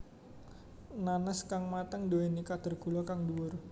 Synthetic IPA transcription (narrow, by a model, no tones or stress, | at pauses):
nanaskaŋmat̪aŋdoenikad̪̥ərɡ̥ulɔkaŋduʊr